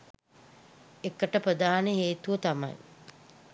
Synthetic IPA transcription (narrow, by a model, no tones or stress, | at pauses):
ekːəʈəpɾəd̪aːneɦeːt̪uʋət̪ama̰j